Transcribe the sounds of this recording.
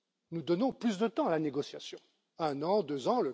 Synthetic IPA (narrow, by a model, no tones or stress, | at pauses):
nud̪ɔnɔ̃plys̬d̪ət̪ɑ̃alaneɡɔsjasjɔ̃ | ɛ̃nɑ̃d̪øzɑ̃lə